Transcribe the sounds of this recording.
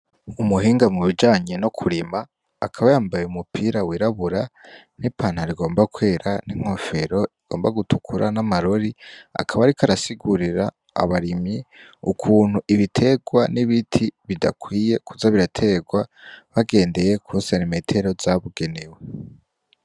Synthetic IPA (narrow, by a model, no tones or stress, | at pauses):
umuɦiːŋɡamŋuβid͡ʒaːɲe̞nokʰuɾimaː | kʰaβajaːmbajeumupʰiːɾawiɾaβuɾa | n̥ipaːnhaɾiɡo̞ːmbakwe̞ːɾaniŋ̥ho̞fe̞ɾo̞iɡ̥o̞ːmbaɡutukʰuɾʔa̰namaɾoɾia̰kʰaβaɾikaɾasiɡuɾiɾa̰ː | βaɾimjiukʰuːn̥huʔiβitʰe̞ɡwaniβitʰiβidakwiːje̞kʰuzaβiɾatʰe̞ɡwaβaɡe̞ːnde̞jekʰusanime̞tʰe̞ɾo̞zaβuɡe̞newe